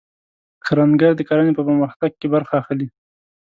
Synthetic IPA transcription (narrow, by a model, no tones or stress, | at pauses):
kʰaɾaŋɡaɾd̪əkaɾanepəpəɾməxt̪aɡ̚kebaɾxaːxli